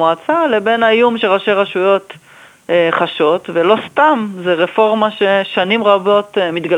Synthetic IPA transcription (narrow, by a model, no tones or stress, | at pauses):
oat͡sale̞be̞najumʃeʁaʃeʁaʃujo̞t̪ | χaʃo̞t̪velo̞st̪amzeʁefo̞ʁmaʃe̞ʃanimʁabo̞t̪mit̪ɡa